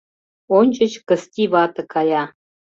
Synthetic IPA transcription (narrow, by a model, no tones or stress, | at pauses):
onʲt͡ʃə̆t͡ɕkə̆st̪ʲiβɑt̪ə̆kʰɑjɑ